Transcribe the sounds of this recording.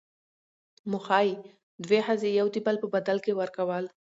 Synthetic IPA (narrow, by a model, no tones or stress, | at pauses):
mʊxɑji | d̪wehazejawt̪ibalpəbad̪alkewaɾkawəl